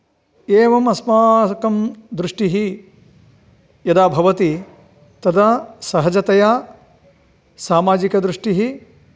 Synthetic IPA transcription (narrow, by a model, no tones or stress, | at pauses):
eːʋɐmɐsmaːkɐmd̪ɾuʂʈiɦi | jɐd̪aːbʱɐʋɐt̪i | t̪ɐd̪ɐsɐɦɐd͡ʒɐt̪ɐjaː | saːmaːd͡ʒikɐd̪ɾuʂʈiɦi